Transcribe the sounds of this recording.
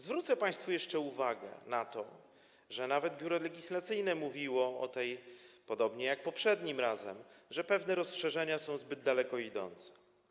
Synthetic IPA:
zvɾut̪sɛpaj̃st̪fujɛʂt͡ʂɛuvaɡɛ̰nat̪ɔ̰ | ʐɛnavɛd̪̚bʲjuɾɔlɛɡʲislat̪sɘjnɛmuvʲiwɔɔ̰t̪ɛjpɔd̪ɔbɲɛjak̚pɔpʂɛd̪ɲimɾazɛ̰mʐɛpɛvnɛɾɔsʂɛʐɛɲasɔ̃w̃zbɘd̪ːalɛkɔid̪ɔ̰nt̪sɛ̥

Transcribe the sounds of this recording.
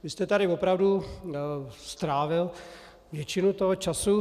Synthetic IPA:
vɪst̪ɛt̪aɾɪvopɾavdu | st̪ɾaːvɪl | vjɛt͡ʃɪnut̪oɦot͡ʃasu

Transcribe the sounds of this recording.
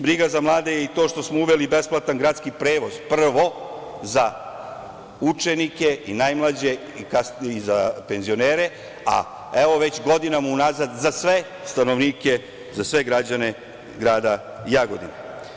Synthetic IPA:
bɾiːɡazamlˠaːd̪e̞jeit̪o̞ːʃt̪o̞smouʋe̞libe̞splat̪anɡɾaːt̪skipɾe̞ːʋo̞z̥pr̩ʋo̞za | ut͡ʃenike̞inajmlˠad͡ʑe̞ | kasizape̞nzio̞neːɾe̞ | a̰ | eʋo̞ʋe̞t͡ɕɡo̞d̪inamaunaːzad̪zasʋe̞ | st̪ano̞ʋniːke̞ | zasʋe̞ɡɾad͡ʑane̞ | ɡɾaːd̪a | jaɡo̞̰d̪ḭne

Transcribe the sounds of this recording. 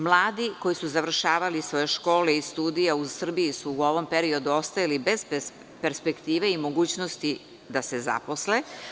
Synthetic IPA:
mlˠaːd̪iko̞jisuzavr̩ʃaːʋalisʋo̞je̞ʃko̞ːleist̪uːd̪ijausr̩bijisuːo̞ʋo̞mpe̞ɾio̞d̪uo̞st̪ajalibe̞z | pe̞ɾspe̞kt̪iːʋeimo̞ɡuːt͡ɕno̞st̪i | d̪aseza̰po̞sle

